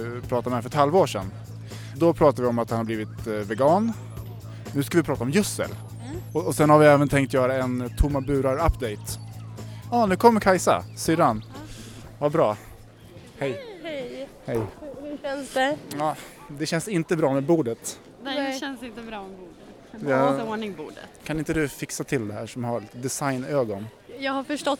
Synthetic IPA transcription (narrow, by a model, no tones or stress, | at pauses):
pʰɾɑːt̪amɛæfœɾɛt̪halvoːʂɛ̰n | d̪ɔpʰɾɑːt̪avɪɔmat̪hanhaɾbliːvɪt̪vɛɡɑːn | nʉ̟ːskavɪpʰɾɑːt̪aɔmjɵsːə̰l | ɔɔsɛnhaɾvɪɛːvənt̪ʰɛŋkt̪jœːɾaɛnt̪ʰʊmːabʉ̟ːɾaɾapːd̪ɛjt̪ | ɑːnʉ̟ːkʰɔmːəɾkʰajsa̰syːɾan | vabɾɑː | hɛjhɛhɛj | ɑː | d̪ɛɕɛnsɪnt̪əbɾɑːmɛbuːɖət̪ | ɛɛnsɪnt̪əbɾɑːmɛbuː | oɳɪŋbṵːɖə̰kʰanɪnt̪əd̪ɵfɪksat̪ʰɪld̪ɛhæːʂɔmhaɾd̪ɛsajnøːɡɔn | jɑːɡhaɾfœʂʈɔt̪